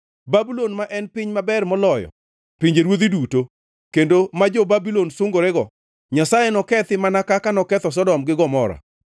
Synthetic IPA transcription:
babulonmaʔɛnpɪɲmabɛrmɔlɔjɔ̰ | piɲd͡ʒeɾwod̪iduto | kendomad͡ʒɔbabilonsʊŋɡoɾɛɡɔ | ɲasajenɔkɛt̪ɪmanakakanɔkɛt̪ɔs̬ɔdɔmɡɪɡɔmɔɾa̰

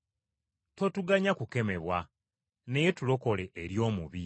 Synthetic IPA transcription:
to̞tuɡaɲakuke̞me̞βwa | nejetulo̞ko̞le̞ʔːɾjo̞ːmuβi

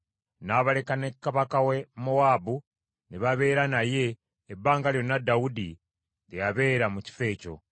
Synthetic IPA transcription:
naβale̞kane̞kːaβakawe̞mowaːbu | neβaβe̞ːɾanaje̞ː | bːaːŋɡaljo̞nːadawudi | ɾejaβe̞ːɾamuci̥fe̞ːco̞̰

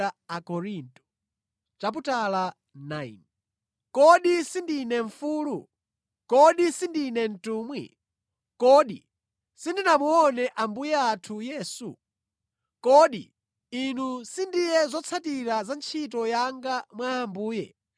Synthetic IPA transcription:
aakɔɾintʼɔ̥ | t͡ʃap̬utala | najn | kɔɗisindinɛɱfuːlu | kɔɗisindinɛn̩tuːmwḭ | kɔɗḭ | sindinamuɔnɛʔambujɛatʰujɛːsu | kɔɗḭ | inusindijɛzɔt͡sʰatiɾazant͡ʃʰitɔjaŋɡamwaːmbuːjɛ̰

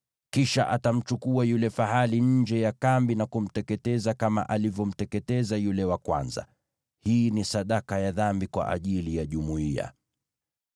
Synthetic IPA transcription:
kiʃa̰ʔatam̩t͡ʃukuajulɛfaɦaliɲ̩d͡ʒɛjakambinakum̩tɛkɛtɛzakama̰ʔalivjɔm̩tɛkɛtɛzajulɛwakwa̰nza̰ | hinisaɗakajaðambikwa̰ʔa̰ʄilijaʄumuia̰

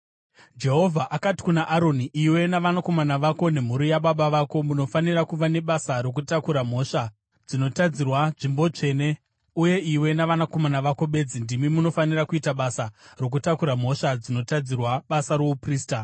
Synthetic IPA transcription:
d͡ʒe̞ɦo̞vʱaʔakati̥kunaʔaɾo̞niʔiwe̞naʋanako̞manaʋako̞ne̞m̤uɾijaɓaɓaʋako̞muno̞fanirakuʋane̞ɓasaɾo̞k̬utakuɾam̤o̞ʂa | d͡zino̞tad͡zirwaʐimbo̞t͡ʂe̞ːne̞ | uje̞iwe̞naʋanako̞manaʋako̞ɓe̞d͡zindimimuno̞fanirakuitaɓasaro̞k̬utakuɾam̤o̞ʂad͡zino̞tad͡zirwaɓasaɾoupriːsta

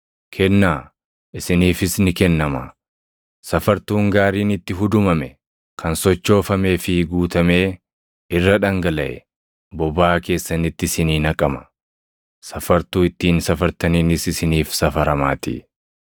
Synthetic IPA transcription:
kʰɛnːaː | ʔɪsɪniːfɪsnɪkɛnːɐmɐ̰ | sɐfɐɾt̪uːŋɡaːɾiːnɪt̪ːɪɦʊd̪ʊmɐmɛ | kʰɐnsɔt͡ʃːo̞ːfɐme̞ːfɪɡuːt̪ɐme̞ː | ɪrːɐᶑɐŋɡɐlɐʔɛ̰ | bɔbaːke̞ːsːɐnɪt̪ːɪsɪniːnɐkʼɐmɐ̥ | sɐfɐɾt̪uːɪt̪ːiːnsɐfɐɾt̪ɐniːnɪsɪsɪniːfsɐfɐɾɐmaːt̪ḭ

